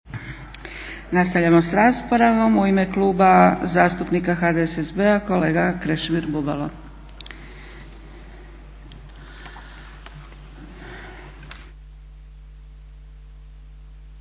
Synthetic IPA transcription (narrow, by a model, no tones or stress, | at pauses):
nast̪aʋʎamosɾaspo̞ɾaʋo̞muime̞klˠuːbazaːst̪upnikaxaːd̪eesezbeako̞leːɡakɾeʃmiɾbuba̰lo